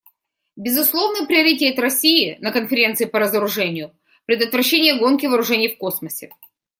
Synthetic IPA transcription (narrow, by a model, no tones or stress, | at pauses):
bʲɪzʊslˠo̞vnəpɾʲɪəɾʲɪtʲet̪ɾɐsʲiɪnəkənfʲɪɾʲe̞nt̪sɨɪpəɾəzəɾʊʐɛnʲɪjʊ | pɾʲɪd̪ət̪vɾɐɕːenʲɪjəɡo̞nkʲɪvəɾʊʐɛnʲɪjfko̞sməsʲɪ